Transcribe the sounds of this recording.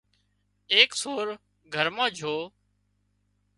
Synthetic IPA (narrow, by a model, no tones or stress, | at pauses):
eːksoːɾ | ɡʱəɾmãːd͡ʒʱoː